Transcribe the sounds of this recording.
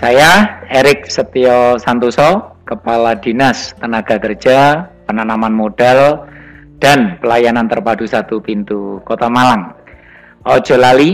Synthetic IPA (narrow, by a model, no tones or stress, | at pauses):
sajaeɾɪk̚sət̪iɔsant̪usɔkəpalad̥inast̪ənaɡ̥a̤kər̥d͡ʒ̥apənanamanmod̥ɛl | d̥anpəlajanant̪ərpadusat̪upint̪ukot̪amalaŋ | ʔɔ̥ʒ̥ɔ̤lali